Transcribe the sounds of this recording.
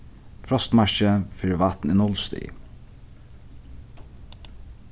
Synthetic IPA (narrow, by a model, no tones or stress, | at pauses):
fɾɔst̪mæʃəfɪɹʋɑt̪n̩iːnɔlst̪ḭː